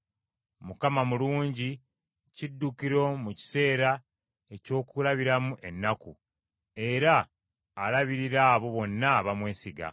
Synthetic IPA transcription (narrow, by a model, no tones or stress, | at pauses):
mukamamuluːɲɟi | cidːukiɾo̞muci̥se̞ːɾa | e̞co̞ːkulaβiɾamuʔe̞nːaku | e̞ɾaː | laβiɾiɾaːβo̞βo̞nːaβamwe̞ːsiɡa̰